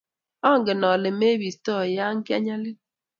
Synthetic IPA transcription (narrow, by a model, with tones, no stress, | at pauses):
ɔ˦˨ŋɡɪ˨nɔ˨lɪ˨me˦βi˨stɔ˦˨ja˦ŋ̩˦kja̰˦ɲa˦lɪ˦